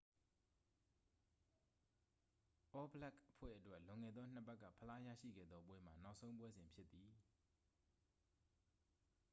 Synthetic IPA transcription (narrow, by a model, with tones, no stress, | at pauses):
ʔɔ˦bəla˦˨kʔəpʰwɛ̰˦˨ʔətwɛ˦ʔlʊ̃˨ŋɛ˨d̪ðɔ˦n̥əpɛ˦kːä̰˦˨pʰəla˦jä̰˦˨ʃḭ˦˨ɡɛ̰˦˨d̪ðɔ˦pwɛ˦m̥a˨na˦ʊʔsʰõ˦ʊ̃pwɛ˦zɪ̃˨mpʰjɪ˦t̪ːi˨